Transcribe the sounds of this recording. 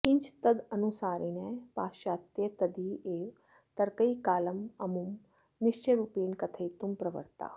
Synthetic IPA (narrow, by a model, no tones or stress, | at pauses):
kɪɲt͡ʃt̪əd̪ənusaːɾinepaːʃaːt̪jət̪ɐd̪ieːʋ | t̪ɐɾkəjkaːləmɐmumː | ɪʃt͡ʃəɾupiːnkɐt̪ʰəjt̪umpɾɐʋə̰ɾt̪a̰ː